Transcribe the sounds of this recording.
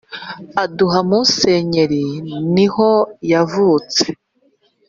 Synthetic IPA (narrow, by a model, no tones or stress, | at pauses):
aduɦamuse̞ːɲe̞ɾiniho̞javuːt͡se̥